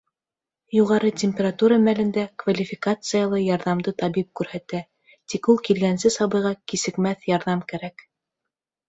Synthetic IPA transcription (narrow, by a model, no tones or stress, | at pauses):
juʁɑɾɤtʲemʲpʲeɾat̪uɾɑmælɘ̆nd̪ækvalʲifʲɪkat̪sɨjalˠɤjɑɾðɑmd̪ɤt̪ɑβip̚kʉɾhæt̪æ | t̪ikulˠkilɡænsɘsɑβɤ̆jʁɑkisɘ̆kmæθjɑɾðɑmkæɾæk